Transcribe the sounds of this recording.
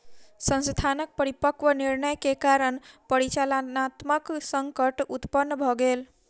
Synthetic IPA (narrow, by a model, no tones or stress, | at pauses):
sə̃nst̪ʰanək̚pəɾipəkʋəniɾnəjkekaɾənpəɾit͡ʃalənat̪məksəŋkəʈut̪pənːbʱɔɡel